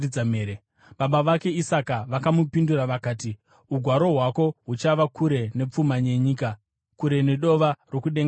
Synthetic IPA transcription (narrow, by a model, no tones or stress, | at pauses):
amee | ɓaɓaʋake̞isakaʋakamupinduɾaʋakaːti | uɡʱwaɾo̞ɦwako̞ɦut͡ʃaʋakʰuɾe̞ne̞p͡fumaɲe̞ɲiːka | kuɾe̞ne̞ɗo̞ʋaro̞kuɗeŋɡ